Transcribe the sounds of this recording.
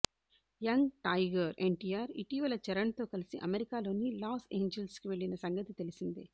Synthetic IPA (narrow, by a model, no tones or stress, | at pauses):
jɐŋɡʈɐjɡɐɾeɳʈijaːɾiʈiːʋɐlɐt͡ʃɛɾɐɳt̪o̞ːkɐlisiʔɐmeɾikaːlo̞ːnilaːse̞ːɲd͡ʒelskiʋe̞ɭːinɐsɐŋɡɐt̪it̪e̞lisind̪i